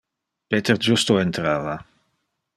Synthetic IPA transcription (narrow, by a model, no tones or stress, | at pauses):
pet̪eɾd͡ʒust̪oent̪ɾaːva